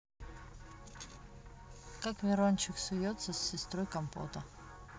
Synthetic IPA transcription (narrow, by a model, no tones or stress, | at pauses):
kakvʲɪɾonʲt͡ɕɪksʊjot̪səsʲːɪst̪ɾojkɐmpo̰t̪ə